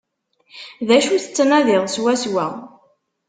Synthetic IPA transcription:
ðæʃuθə̥t͡sːnæðɪʁˤswæswæ

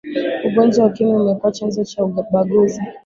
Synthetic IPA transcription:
uɡɔnd͡ʒawakimiumɛkɔat͡ʃanzɔt͡ʃauɓaɡuzi

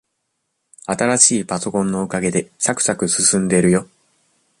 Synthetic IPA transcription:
at̪aɾaɕiːpaso̞kõ̞nːo̞ɯ̟kaɡe̞d̪e̞sakɯ̟̥sakɯ̟sɨsɨ̃nd̪e̞iɾɯ̟jo̞

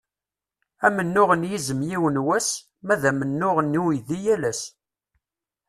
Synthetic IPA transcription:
æmənːʊʁənjizəmjiwənwæs | mæðæmənːʊʁənːiwiðijælæs

